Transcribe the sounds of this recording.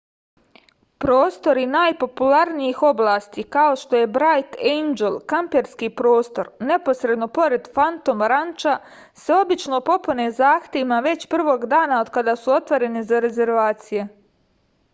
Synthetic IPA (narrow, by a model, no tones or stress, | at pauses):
pɾo̞ːst̪o̞ɾinaːjpo̞pulaɾnijixo̞blˠaːst̪ikao̞ʃt̪o̞je̞bɾajt̪ejnd͡ʒelkampeɾskiːpɾo̞ːst̪o̞ɾne̞po̞sɾe̞d̪no̞po̞ɾe̞d̪fant̪omɾant͡ʃa | se̞o̞bit͡ʃno̞po̞pune̞zaːxt̪ʲeʋimaʋe̞t͡ɕpr̩ʋo̞ːɡd̪aːnaod̪kad̪asuo̞t̪ʋoɾe̞nizaɾe̞ze̞ɾʋaːt̪sije̞